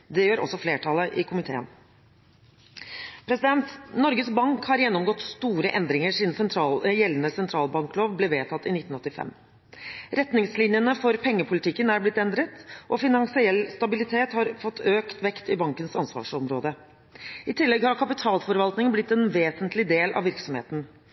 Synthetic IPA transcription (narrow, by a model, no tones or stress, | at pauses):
d̪ɛjøːɾʔɔ̰sːɔfleːʈʰɑləʔɪkʰʊmɪt̪ʰḛːə̰n | pʰɾɛsɪd̪ɛnt̪nɔɾɡəsbɑŋkhɑɾjɛnːɔmɡɔt̪st̪uːɾəʔɛnd̪ɾɪŋəʂɪnsɛnt̪ʰɾɑləjɛlənəsɛnt̪ʰɾɑːlbɑŋkloːʋbleːʋeːt̪ʰɑt̪ːɪnɪt̪ːn̩ɔt̪ːɪfɛ̰m | ɾɛt̪nɪŋslɪnjənəfɔɾpʰɛŋːəpʰʊlɪt̪ɪkːənæɾblɪt̪ːɛnd̪ɾət̪ʔɔfɪnɑnsɪɛlːst̪ɑbɪlɪt̪ʰeːt̪hɑɾfɔt̪ːøːkt̪ʋɛkt̪ɪbɑŋkənsɑnsʋɑ̰ːʂɔmɾo̰ːd̪ə | ɪt̪ʰɪlːɛɡhɑɾkʰɑpɪt̪ʰɑːlfɔɾʋɑlt̪nɪŋblɪt̪ːɛnʋeːsənt̪lɪd̪eːlʔɑ̰ʋɪɾksɔmhḛːt̪n̩